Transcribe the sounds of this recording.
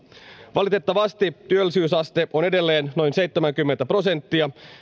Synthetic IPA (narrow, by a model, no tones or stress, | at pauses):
ʋɑlit̪e̞t̪ːɑʋɑst̪it̪yølːisyːsɑst̪e̞ʔo̞ne̞de̞lːe̞ːnno̞jnse̞jt̪ːemæŋk̟ymːent̪æpro̞se̞nt̪ːiɑ